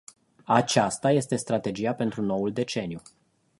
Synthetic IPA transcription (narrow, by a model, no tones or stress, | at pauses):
at͡ʃast̪aje̞st̪e̞st̪ɾat̪e̞d͡ʒijape̞nt̪ɾuno̞uld̪e̞t͡ʃe̞nju